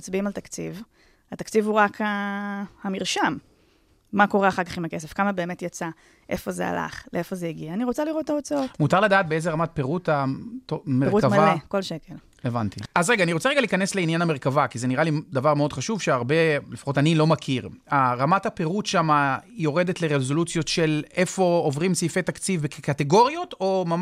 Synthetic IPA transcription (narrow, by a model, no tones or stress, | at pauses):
t͡sbiimalt̪akt͡siv | at̪akt͡sivhuʁakʰahamiʁʃam | mako̞ʁeaχaʁkaχimake̞s̬efkamabe̞ːme̞tjat͡sa | ʔe̞fo̞ze̞̰a̰la̰χleefo̞zejiɡiaːniʁot͡saliʁotːaot͡saomutaʁladaːt̚beezeʁamat̚pe̞ʁutatomeʁutkamavaleko̞lʃe̞ke̞l | evantiazʁeɡaːniʁo̞t͡seʁeɡaliːkanesleinjaname̞ʁkavakizeniʁalid̪avaʁmeo̞d̪χaʃuvʃeaʁbe̞lefḁχo̞tanilo̞makʰiʁaʁamathape̞ʁutʃamajo̞ʁe̞de̞tleʁezo̞lut͡sjo̞tʃe̞lefo̞ovʁimsifet̪akt͡sivbekkateɡo̞ʁijo̞tomam